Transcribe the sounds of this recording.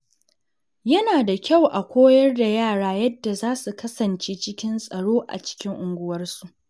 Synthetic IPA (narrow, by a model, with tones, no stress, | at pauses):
jɐ˦naː˨da˨kʲa˦˨wʔa˨kʷoː˦jɐ˦rda˨jaː˦˨ɽaː˦jɐ˦dːa˨zaː˦su˨kɐ˦sɐ˨nt͡ʃeː˦t͡ʃɪ˦kʲɪ˦nsʼɐ˨ɽoː˦ʔa̰˨t͡ʃɪ̥˦kʲɪ˦ŋʔʊ˨ŋɡʷʊ˦wɐ˦rsu˨ʔ